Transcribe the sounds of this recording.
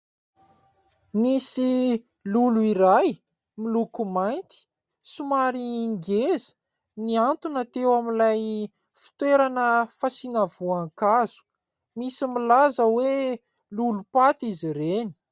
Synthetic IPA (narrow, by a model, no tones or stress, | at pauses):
misi | luluiɾaj | milukumajnt̪i̥ | sumaɾiːŋɡezə̥ | niant̪unat̪ewamilaj | fi̥t̪weɾanəfasinavuaŋkaz̥u̥ | misimilazəwe | lulupat̪iziɾeni̥